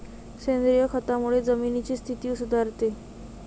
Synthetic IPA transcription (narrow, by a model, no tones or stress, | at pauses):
send̪ɾijɔkʰɔt̪amuɭed͡zəminit͡ɕist̪ʰit̪iwsud̪ʱaɾt̪e